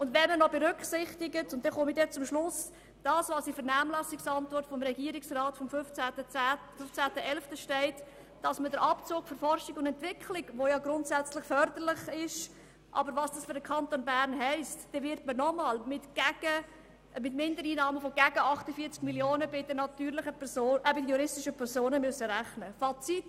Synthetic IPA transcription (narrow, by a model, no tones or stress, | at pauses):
ʊndvɛnmənɔbɛɾʏkχsɪχtɪɡətʊntd̥ɛnχomidɛt͡sʊmʃlʊs | d̥ɑːsʋɑːsifəɾnaːmlɑsɪksɑntvɔɾtfɔmɾɛɡiːɾɪksrɑːtfɔmft͡sætəæfʏft͡sæːtəʔɛlftəʃtɛɪt | d̥ɑsmədəɾʔɑpt͡soːkføɾfɔrʃɪɡʊndɛntvɪkʰlɪɡʋojɑɡɾʊntsæt͡slɪχfœɾd̪ərlɪχɪʃ | ʔɑ̰bəɾʋɑːsd̥ɑsfʏɾdəkʰɑntonbæɾnɦɛɪstd̥ɛvɪɾtmənɔmɑlmɪtɡ̥æɡ̥ə | mɪtmɪndəɾiːnɑːməfɔɡ̥æɡəʔɑχtəfiːɐt͡skmiljoːnəbɪdənɑtyːɾlɪχəpʰɛsoːʔbɪdəjuɾɪstɪʃəpʰɛɾsoːnəmʏøsəɾæχnəfɑt͡sit